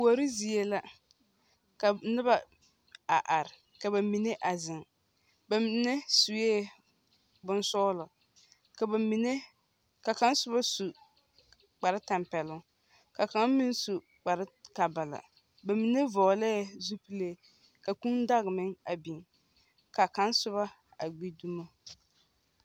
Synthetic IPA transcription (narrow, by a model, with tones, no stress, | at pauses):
pu˨o˨ɾɪ˦zi˨e˦la˦ | ka˨nɪ˦ba˨ | a˨ʔa˨ɾɪ˨ | ka˨ba˨mi˨ne˦ʔa˨zɪ˨ŋ | ba˨m˨˦ne˦su˨jeː˦ | bʊ˦n˦sɔː˦lʊ˨ | ka˨mi˨ne˦ | ka˨ka˦n˦sʊ˦ba˦su˨ | k͡pa˨ɾɪ˦ta˨mpɛ˨lʊ˦ | ka˨ka˨˦mi˦nsu˨ | k͡pa˨ɾka˨ba˨la̰˨ | ba˨mi˨ne˦vɔː˨lɛ˦˨zu˦pi˦le˦˨ | ka˨ku˦n˦da˦ɣɪ˨mɪ˦ŋa˨bi˨ŋ | ka˨ka˦nsʊ˦βa˦ | a̰˨ɡ͡bi˦du˦ma˦